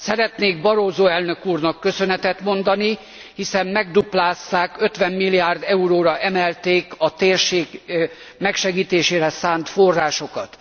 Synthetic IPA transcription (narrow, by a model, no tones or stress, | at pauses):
sɛɾɛt̪neːɡ̚bɒɾoːzoːɛlnøkuːrnɒkːø̞sø̞nɛt̪ɛt̪mo̞nd̪ɒni | hisɛmmɛɡ̚d̪uplaːst̪aːkø̞t̪ʋɛmːilːiaːrd̪ɛuɾoːɾɒʔɛmɛlt̪eːkɒt̪eːrʃeːɡ | mɛkʃɛɡiːt̪eːʃeːɾɛsaːnt̪fo̞rːaːʃo̞kɒt̪